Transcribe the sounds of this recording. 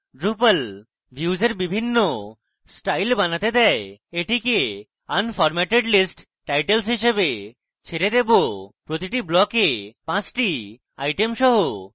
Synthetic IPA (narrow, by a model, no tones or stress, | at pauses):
ɖɾupəl | bʱjuːd͡ʑeɾbibʱinːo | sʈajlbanat̪ed̪ɛeeʈike | anfɔɾmɛʈeɖlisʈ | ʈajʈels̬ɦiʃebe | t͡ɕʰeɾed̪ebopɾot̪iʈiblɔkepãt͡ɕʈi | a̰jʈemʃɔɦo